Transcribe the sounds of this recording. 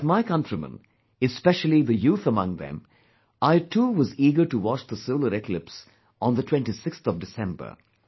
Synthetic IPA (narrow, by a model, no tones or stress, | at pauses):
tmaɪkʌ̃ntɹimə̰̃n | ɨspɛʃəlˠiðəjuːθəmʌ̃ŋðɛ̰̃m | ʔaɪtʰuːʋʌziːɡə˞ʈuwɑt͡ʃd̪əsɪvləɾɪklɪps | n̩ðətʰw̥ɛ̃ntisɪkst̪ɔvdɨsɛ̃mbə̰˞